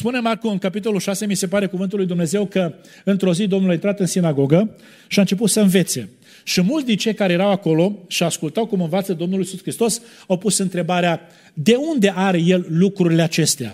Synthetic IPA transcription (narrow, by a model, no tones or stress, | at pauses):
spune̞markuɨŋkapit̪o̞luʃase̞mise̞paɾe̞kuvɨnt̪ulːujd̪umne̞ze̞wkə | ɨnt̪ɾo̞zid̪o̞mnulaint̪ɾat̪ɨnsinaɡo̞ɡə | ʃiaɨnt͡ʃe̞p̬ut̪səɨnve̞t̪se̞̰ | ʃimult̪sd̪int͡ʃe̞jkaɾe̞jeɾawako̞lo̞ʃiaskult̪awkumɨnvat̪səd̪o̞mnuljisuskɾist̪o̞s | awpusɨnt̪ɾe̞baɾea | d̪e̞und̪e̞ʔaɾe̞je̞llukɾuɾile̞at͡ʃe̞st̪ea̰